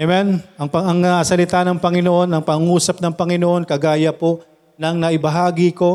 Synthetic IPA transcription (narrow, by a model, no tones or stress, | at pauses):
ʔɛmɛnʔɐŋpɐɐŋɐʔɐsɐlɪt̪anɐŋpɐŋɪno̞ʔo̞nɐŋpɐŋŋuːsɐp̚nɐŋpɐŋɪno̞ʔo̞nkɐɡaːjɐpo | nɐŋnɐʔɪbɐɦaːɡɪko̞